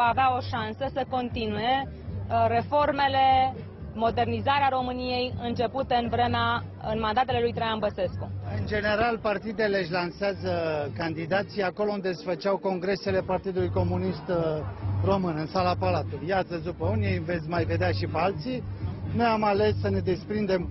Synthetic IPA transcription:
vaːveao̞ʃansəsəko̞nt̪inuje̞ | re̞fo̞rme̞le̞ | mo̞d̪e̞rnizaɾeaɾo̞mɨnije̞jɨnt͡ʃe̞put̪eɨnvɾe̞mea | ɨnmand̪at̪e̞le̞lujt̪ɾejanbəse̞skuɨnd͡ʒe̞ne̞ɾalpart̪id̪ele̞ɨʃ̬ʲlanseazəkand̪id̪at̪sijako̞lo̞und̪e̞sfət͡ʃawko̞ŋɡɾe̞se̞le̞part̪id̪ulujko̞munist̪ | ro̞mɨnɨnsalapalat̪uljat̪səd̪upəunijve̞t̪sʲmajve̞d̪eaʃipealt̪sinojamale̞sːəne̞d̪e̞spɾind̪e̞m

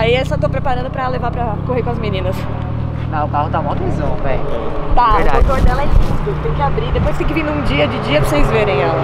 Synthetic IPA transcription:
aiɛsɐ̃wt̪owpɾepaɾɐ̃nd̪ʊpɾɐlevapɾɐ | koɦeɾkõɐzminĩnɐs | nãʊkahʊt̪aũmɐ̃t̪ezɐ̃w̃pɛht̪ɐit̪aɾaõt̪oɾd̪ɛlɐɛ̃fizk̪ʊt̪ẽj̃kɪabɾid̪epojskt̪ẽkɪvĩnd̪ʊũd͡ʒiɐd͡ʒɪd͡ʒiɐpɾɐsejzveɾẽj̃ɛlɐ

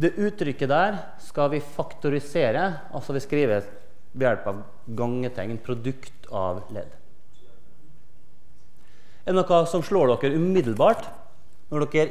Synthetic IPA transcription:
d̪ɛʔʉːt̪ɾʏkːəd̪æːɾ | skɑʋɪfɑkt̪ʊɾɪseːɾə | ɑlsɔʋɪskɾiːʋə | ʋɛjɛɽpəɑʋ | ɡɑŋːət̪ʰɛŋːnpʰɾʊd̪ʉkt̪ɑ̰ːʋlɛ̰d̪ | ɛnːɔkʰɑːsɔmʂɭoːɖɔkːəɾʉmɪd̪l̩bɑːʈ | nɔɖɔkːəæɾ

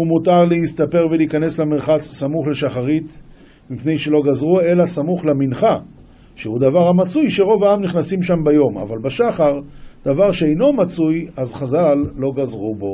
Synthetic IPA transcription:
umut̪aʁleist̪ape̞ʁveliːkane̞slameʁχat͡ssamuχle̞ʃaχaʁit̪ | mipne̞jʃe̞lo̞ɡazʁue̞lasamuχlaminχa | ʃehud̪avaʁhamat͡sujʃe̞ʁo̞vaamniχnasimʃambajo̞ma̰valbaʃaχaʁd̪̥avaʁʃeejno̞mat͡sujazχazalːo̞ɡazʁubo̞

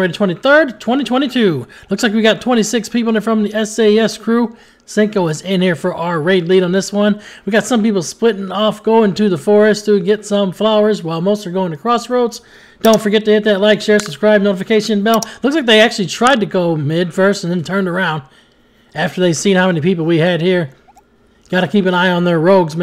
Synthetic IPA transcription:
eɪɾtʰw̥ɛ̃ɾ̃iθɜ˞dtʰw̥ɛ̃ɾ̃itʰw̥ɛ̃ɾ̃itʰʉlʊkslaɪkwiɡɑtʰw̥ɛ̃ɾ̃isɪkspʰipl̩ˠəfɹʌ̃mðiɛseɪɛskʰɹ̥u | sɪ̃ŋkoʊɨzɪ̃nhiɹfə˞ʔaʊə˞ɹeɪdˡliɾn̩ðɪswʌ̃nwiɡɑtsʌ̃mpipl̩ˠsplɪɾɪ̃ŋɔfɡ̥oʊɪ̃ŋtʰɨðəfɔɹɨstʰɨɡɛtsʌ̃ɱflaʊə˞zwaɪlˠmoʊstə˞ɡoʊɪ̃ŋtɨkʰɹ̥ɔsɹoʊts | d̥õʊ̃ntfə˞ɡɛtɨhɪt̪̚ðɨtˡlaɪkʃɛɹsə̥skɹaɪb̚noʊɾəfɨkʰeɪʃɨ̃nbɛlˠlʊkslaɪk̚ðeɪæk̚t͡ʃʉl̩ˠitʰɹ̥aɪd̚tɨɡoʊmɪd̥fɜ˞stn̩ðɨ̃ntʰɜ̃˞ndə˞ãʊ̃nd̚ | æftə˞ðeɪv̥sĩnhaʊmɛ̃nipipl̩ˠwiɨd̚hiɹ | ɡ̥ɑɾɨkʰipɨ̃naɪə̃nðə˞ɹoʊɡzm

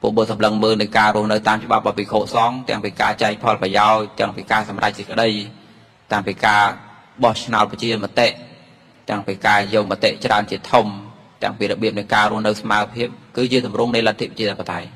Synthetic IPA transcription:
pṵəʔɓut̪sɑmləŋməːlnɨjkaːrŭəhnɨwt̪aːmt͡ɕə̆ɓap̚ʔapikʰoːʔsɑŋt̪ɛ̆əŋpiːkaːt͡ɕaɛk̚pʰɑlprɑjaɔc̚t̪ɛ̆əŋpiːkaːsɑmra̰c̚sikə̆ɗəj | t̪aəŋpiːkaː | ɓɑht͡ɕʰna̰ɔt̪̚pɑt͡ɕiənmə̆t̪eʔ | t̪ɛ̆əŋpiːkaːjɔːk̚mət̪eʔt͡ɕraənt͡ɕiət̪ʰum | t̪ɛ̆əŋpiːɾɔɓiəp̚nɨjkaːɾŭəhnɨwsmaəwpʰiəp̚kɨːt͡ɕiət̪umrʊŋnɨjlat̪ʰːiprat͡ɕiəəpʰːət̪aj

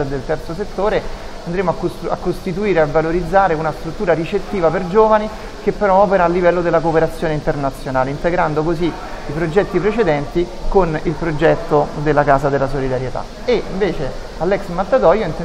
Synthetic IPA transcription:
d̪elt̪ɛrt̪soset̪ːoːɾeand̪ɾeːmoakːa̰kːost̪it̪̬uiːɾeavːaloɾid̪zːaːɾeunast̪ɾut̪ːuːɾaɾit͡ʃet̪ːiːvaperd͡ʒoːvani | k̟epːeɾɔɔːpeɾaːlːivɛlːod̪elːakopeɾat̪sjoːneint̪ernat̪sːjonaːleint̪eɡɾand̪okozi | ipɾod͡ʒɛt̪ːipɾet͡ʃed̪ɛnt̪ikonilpɾod͡ʒɛt̪ːod̪elːakaːzad̪elːasolid̪aɾjet̪a̰ | eiɱveːt͡ʃe | alːɛksmat̪ːat̪ɔjoint̪e

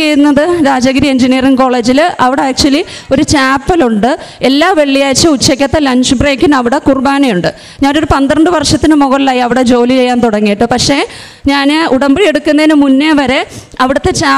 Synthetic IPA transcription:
t͡ɕejunːɐðɨɾaːd͡ʑɐɡɾieɲd͡ʑinijɐriŋko̞ːɭe̞ːd͡ʑilɐʋiɽeaːk̚t͡ɕuɐlio̞ɾut͡ɕaːpːɐluɳɖɨelːaːʋe̞ɭːijaːjt͡ɕːɐut͡ɕːɐkʲːɐt̪ːɐlɐɲɕbreːkʲːunɐʋiɽekurbaːɳejuɳɖɨ | ɲaːno̞ɾupɐnd̪rɐɳɖɨʋɐrʂɐt̪ːinɨmoɣɐɭilaːjiɐʋiɽe̞d͡ʑo̞ːlit͡ɕe̞jːaːnt̪uɽɐŋːijiʈːɨpɐkʂe̞ | ɲaːnɨʔuɽɐmbiɽije̞ɽukːunːɐðinɨmunːeʋɐɾe̞ | ɐʋiɽɐt̪ːe̞t͡ɕaː

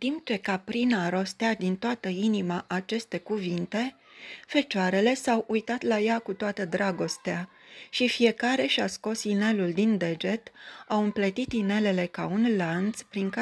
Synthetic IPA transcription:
t̪imp̚t͡ʃe̞kapɾinaɾo̞st̪ead̪int̪oat̪əinimaʔat͡ʃe̞st̪e̞kuvint̪e̞ | fe̞t͡ʃoaɾe̞le̞sawujt̪at̪lajakut̪oat̪əd̪ɾaɡo̞st̪ea | ʃifie̞kaɾe̞ʃiasko̞sine̞luld̪ind̪e̞d͡ʒe̞t̪awɨmplət̪it̪ine̞le̞le̞kaunlant̪spɾiŋka

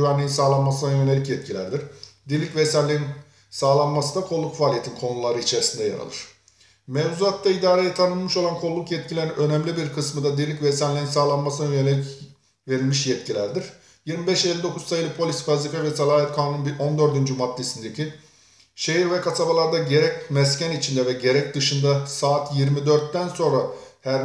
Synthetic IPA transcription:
yvænlʲiinsaːlˠanmasɯnanjø̞nelʲicjɛt̪cʰilʲæ̰ɾd̪iɾ̥d̪inlʲicvɛsænlʲijin | saːlˠanmasɯnd̪akʰolˠːukfaːlʲijeinkʰo̞nulˠaɾɯit͡ʃʰeɾisind̪ɛja̰ɾa̰lˠɯ̰ɾ̥ | mɛvzuat̪d̪ːaid̪aːɾejɛt̪ʰanɯlˠmɯʃo̞lˠankʰo̞lˠːukjɛt̪̚cʰilʲeɾinʔø̞nɛmlʲibiɾkʰɯsmɯd̪ad̪inlʲicvɛsænlʲijinsaːlˠanmasɯnanjønelʲic | ve̞ɾilʲmiʃjɛt̪̚cʰilʲæɾd̪iɾ | jiɾmibɛʃelʲːid̪o̞kʰuzsajɯlˠɯpʰo̞lʲisfazikɛvɛsalˠaːɦɛt̪kʰaːnunbiʔo̞nd̪ø̞ɾd̪ynd͡ʒymad̪ːe̞sind̪ecʰi | ʃe̞ɦiɾvɛkʰasabalˠaɾd̪aɟe̞ɾɛcmɛscʰænit͡ʃʰind̪ɛvɛɟe̞ɾɛc̚d̪ɯʃɯnd̪asaːt̪ʰjiɾmid̪ø̞ɾt̪ːænso̞nɾahæɾ

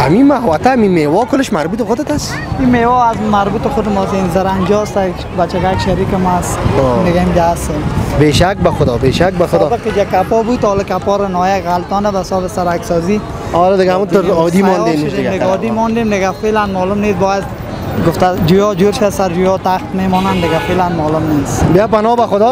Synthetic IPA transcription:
amimaɦwat̪aːmimewɔkʊlɪʃmaɾbut̪ɪxʊd̪ɪt̪as | imewɔːazmaɾbut̪ɪxʊd̪ɪmɔsenzaɾaŋd͡ʒɔst̪a | bat͡ʃɪɣakʃaɾiːkɪmasod̪ɪɡamd͡ʒaːst̪embeʃak̚baxʊd̪ɔbeʃak̚baxʊd̪ɔbɪkɪd͡ʒakːapɔːbud̪ɔlɪkapɔɾanɔjakɣalt̪ɔnabasɔːbɪsaɾaksɔːzi | ɔlɪd̪ɪɡaamut̪ʊɾɔːd̪imɔnenʃd̪ɡd̪ɪɡaɔd̪imɔnd̪eːmd̪ɪɡafelanmɔːlʊmnesbɔːjad̪ | ɡʊft̪ad͡ʒujɔd͡ʒuɾʃasaɾd͡ʒujɔt̪axt̪memɔːnand̪ɪɡafelanmɔlʊmnesbapanɔbaxʊd̪ɔ

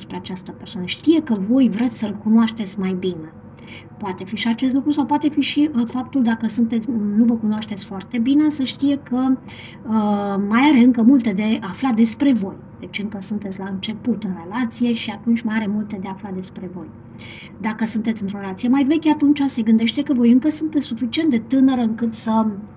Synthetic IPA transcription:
espɾeat͡ʃast̪əpersowanəʃt̪ije̞kəvo̞jvɾet̪sʲsəlkunoaʃt̪et̪sʲmajbine̞ | poat̪e̞fiʃiat͡ʃest̪lukɾusawpwat̪e̞fiʃiəfap̚t̪uld̪akəsunt̪e̞t̪sʲnuvəkunoaʃt̪e̞t̪sʲfoart̪e̞bine̞səʃt̪ije̞kʰə | əmajaɾe̞ɨŋkəmult̪e̞d̪e̞aflad̪e̞spɾe̞vo̞j | d̪̥e̞t͡ʃʲɨŋkəsunt̪etsʲlaɨnt͡ʃe̞put̪ɨnre̞lat̪sije̞ʃiat̪unt͡ʃʲmajaɾe̞mult̪e̞d̪e̞aflad̪e̞spɾe̞vo̞j | d̪akəsunt̪et̪sɨnt̪ɾoɾelat̪sijemajve̞kʲeat̪unt͡ʃase̞ɡɨnd̪e̞ʃt̪e̞kəvo̞jɨŋkəsunt̪et̪sʲsufit͡ʃient̪d̪e̞t̪ɨnəɾəɨŋkɨt̪sə

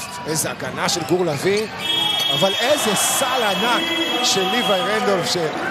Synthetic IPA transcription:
ejzeaɡanaʃelɡuʁlavi | avalezesalanakʃelivajʁend̪ovʃe

